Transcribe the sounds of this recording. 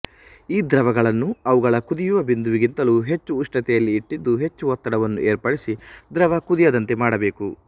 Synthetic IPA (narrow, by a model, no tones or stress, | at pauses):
iːd̪ɾɐʋɐɡɐɭɐnːuɐʋuɡɐɭɐkud̪ijuʋɐbind̪uʋiɡint̪ɐluɦe̞t͡ʃːuːʂʈɐt̪ɛjɐlːiːʈːid̪ːuɦe̞t͡ʃːuɦɔt̪ːɐɽɐʋɐnːuʔeːɾpɐɽisid̪ɾɐʋɐkud̪ijɐd̪ɐnt̪e̞maːɽɐbe̞ːku